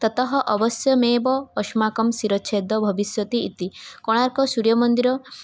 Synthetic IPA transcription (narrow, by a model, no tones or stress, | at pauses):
t̪ɔt̪ɔɦɔʔɔbɔsjɔmebɔːʃmakɔmsiɾɔʃʰed̪ɔbʱɔbisjɔt̪iːt̪ikɔɽ̃aɾkɔsuɾjɔmɔnd̪iɾɔ